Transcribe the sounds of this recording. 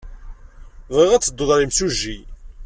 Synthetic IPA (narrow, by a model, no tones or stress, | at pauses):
viʁæt͡sːəd̪ːoðˤɾimsuʒːi